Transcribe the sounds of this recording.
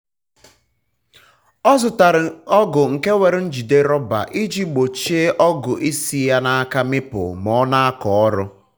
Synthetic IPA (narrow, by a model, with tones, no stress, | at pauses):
ɔ˦zʊ˨ta˨ɾɪ˨ɔ˦ɡʊ˨ŋ̩˨ke˦we˨ɾɪ˦n̩˦d͡ʒi˨de˦ɾɔ˦ba̰˨ʔi˦d͡ʒi˦ɡ͡bo˨t͡ʃe˦ʔɔ˦ɡʊ˨ʔi˦si˨ja˦na˦ka˦mɪ˦pʊ̰˨mɔ˨˦na˦a˦kɔ˨ɔ˦ɾʊ˦